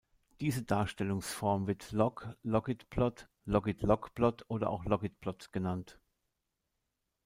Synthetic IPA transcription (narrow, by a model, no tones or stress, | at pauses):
d̥iːzədaːɐʃtɛlʊŋsfɔɐmvɪɐtlɔklɔɡɪtb̥lɔt | lɔɡɪtlɔkb̥lɔtʔoːdɐ̰ʔaʊxlɔɡɪt̚b̥lɔtɡ̥ənant